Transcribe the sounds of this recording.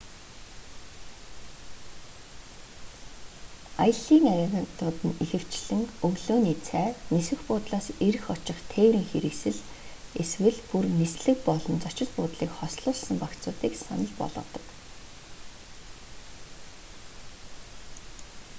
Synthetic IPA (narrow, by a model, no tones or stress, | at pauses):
ajə̆ɮiːŋaɾʲeɣnt̪ʊːt̪ɘ̆nexɘ̆w̥t͡ɕɮɘ̆ŋkɵɣɮoːniːt͡sʰæːnisɘ̆xpʊːt̪ɮaːseɾɘ̆xɔt͡ɕɪ̆χt̪ʰeːwɾiːŋxeɾɘ̆ksɘ̆ɮ | eswɘ̆ɮpurnisɮɘ̆k̚pɔɮɞ̆nt͡sɔt͡ɕɪ̆ɮpʊːt̪ɮiːkχɔsɮʊːɮsə̆mpakt͡sʊːt̪iːksa̰nə̆ɮpɔ̰ɮʁɞ̰̆ːt̪ɞ̥̆k